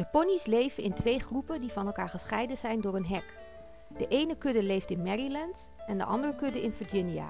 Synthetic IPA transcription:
d̥əpɔnislejvəɪntʰʋejχrupədivɑnɛlˠkaːɹχəsχɛjdənzɛjndʊːɹənɦɛk | d̥əʔejnəkɵdəlejftɪnmɛɹilɛnt | ɛndə̰ʔɑ̰ndərəkɵdəʔɪnvəɹd͡ʒɪnia̰

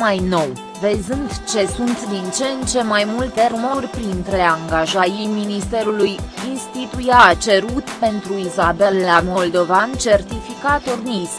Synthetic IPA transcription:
majno̞w | ve̞zɨnt̪t͡ʃe̞sunt̪ʲd̪int͡ʃent͡ʃe̞majmult̪e̞ɾumorʲpɾint̪ɾe̞e̞aŋɡaʒajijminist̪e̞ɾulujinst̪it̪ujat͡ʃe̞ɾut̪pe̞nt̪ɾuizabe̞lːamo̞ld̪o̞vant͡ʃe̞rt̪ifikat̪ornis

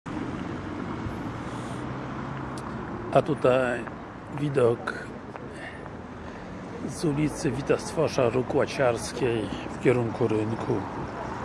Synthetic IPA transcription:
ʔat̪ut̪aj | vʲid̪ɔk | zulʲit̪sɘvʲit̪ast̪fɔʂaɾukwat͡ɕaɾskʲejfkʲɛɾuŋkuɾɘŋkʰu

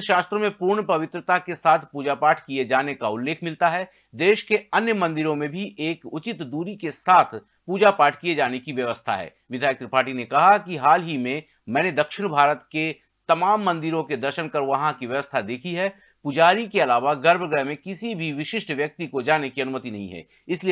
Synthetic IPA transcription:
ʃaːst̪ɾõmẽpʊɾɳpɐʋɪt̪ɾət̪akesaːt̪ʰpuːd͡ʒapaːʈʰkied͡ʒaːnekaʊlːeːkʰmɪlt̪aɦɛː | d̪eːʃkeɐnjəmɐ̃nd̪ɪɾõmẽbʱiʔeːkʊt͡ʃɪt̪d̪uːɾikesaːt̪ʰ | puːd͡ʒapaːʈʰkied͡ʒaːnekiʋjɐʋəst̪ʰa̰ɦɛ̰ː | ʋɪd̪ʱaːjək̚t̪ɾəpaːɾʈinekɐɦakiɦaːlɦimẽ | mɛ̃ːned̪ɐkʃɪɽ̃bʱaːɾət̪ke | t̪ɐmaːmːɐ̃nd̪ɪɾõked̪ɐɾʃənkɐɾʋɐɦãkiʋjɐʋəst̪ʰad̪eːkʰiɦɛ | pʊd͡ʒaːɾikeɐlaːʋaɡɐɾbʱɡɛɦmẽkɪsibʱiʋɪʃɪʃʈʋjɐk̚t̪ikod͡ʒaːnekiɐnʊmət̪inɐɦḭ̃ɦɛ̰ː | ɪsli

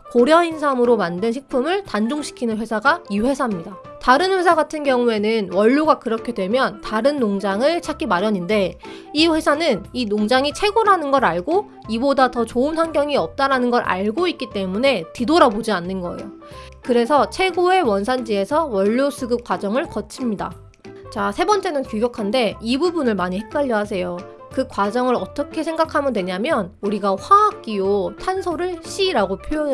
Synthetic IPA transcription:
koɾjʌinsʰamɯɾomandɯnɕʰik̚pʰumɯɭtand͡ʑoŋɕʰi̥kʰinɯnɸwe̞sʰaɡaiɸwe̞sʰamɲida | taɾɯnɸwe̞sʰaɡatʰɯnɡjʌŋue̞nɯnwʌʎːuɡakɯɾʌkʰe̞dwe̞mjʌntaɾɯnːoŋd͡ʑaŋɯɭt͡ɕʰak͈ʰimaɾjʌɲinde̞ | iɸwe̞sʰanɯninoŋd͡ʑaŋit͡ɕʰwe̞ɡoɾanɯnɡʌɾaɭɡo | ibodatʌt͡ɕoɯnsʰaŋɡjʌŋiʌp̚t͈aɾanɯnɡʌɾʔa̰ɭɡoit̚k̚k͈it͈e̞mune̞tidoɾabod͡ʑianːɯnɡʌḛjo̰ | kɯɾe̞sʰʌt͡ɕʰe̞ɡoe̞wʌns̬ʰand͡ʑie̞sʰʌwʌʎːosʰɯɡɯp̚k͈wad͡ʑʌŋɯɭkʌt͡ɕʰimɲida̰ | t͡ɕasʰe̞bʌnt͡ɕ͈e̞nɯnkjuɡjʌkʰande̞ibubunɯɭmaɲihek̚k͈aʎːʌɦas̬ʰe̞jo | kɯkwad͡ʑʌŋɯɾʌt͈ʌkʰe̞sʰe̞ŋɡakʰamjɯndwe̞ɲamjʌnuɾiɡaɸwaak̚k͈iotʰansʰoɾɯɭɕ͈iɾaɡopʰjo

